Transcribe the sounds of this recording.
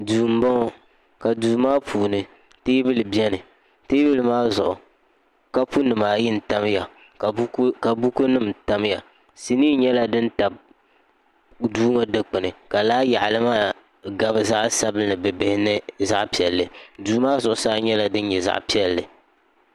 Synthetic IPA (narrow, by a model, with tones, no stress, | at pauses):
duː˨m̩˦bɔ˦ŋ˨ | ka˨duː˨maː˦pʰuː˨nɨ˨ | teː˦bɨ˦lɨ˨bɛ˦nɨ˨ | teː˦bɨ˦lɨ˨maː˦zʊ˨ʔʊ˨ | ka˦pu˦nɨ˨maː˨ji˦n̩˨ta˦mja˨˦ | ka˨bu˦ko˦nɨ˦mta˦m˦ja˨ | si˨niː˦ɲɛ˦la˦dɨ˦n̩˦ta˨b̚ | duː˦ŋa˦dɨ˦k͡pɨ˨nɨ˨ka˨laː˦ja˨ʔlɨ˦maː˦ | ɡa˨bɨ˦za˦ʔsa˦bɨ˦nɨ˨bɛ˨bɪ˦hɪ˦nɨ˦za̰˦ʔpi˨ɛ˨lːɨ˨duː˨maː˦zʊ˨ʔʊ˨saː˦ɲɛ˦la˦dɨ˦n̩˦ɲɛ˨za̰˦ʔpi˦ɛ˦lːɨ˨